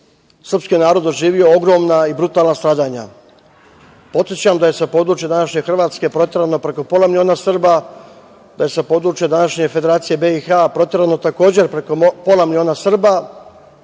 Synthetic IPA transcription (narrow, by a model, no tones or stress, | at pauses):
sr̩pskinaːɾo̞d̪oʒiːʋio̞oɡɾo̞mnaibɾut̪aːlnast̪ɾaːd̪aɲa̰ | po̞t̪sʲjet͡ɕamd̪aje̞sapo̞ːd̪ɾuːt͡ʃijed̪anaʃɲe̞xr̩ʋaːt̪ske̞pɾo̞t̪ʲje̞ɾano̞pɾe̞ko̞po̞lamilʲio̞ːnasr̩ba | d̪aje̞sapo̞ːd̪ɾuːt͡ʃijed̪anaʃɲe̞fed̪e̞ɾaːt̪sije̞be̞ixapɾo̞t̪ʲje̞ɾano̞t̪ako̞ːd͡ʑe̞ɾpɾekopo̞lamilʲio̞ːnasr̩ba